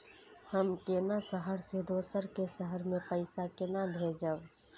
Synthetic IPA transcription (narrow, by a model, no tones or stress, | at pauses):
həmkenasəɦəɾsed̪oːsəɾkesəɦəɾmẽpəɪsakɪnabʱeːd͡ʒəʋ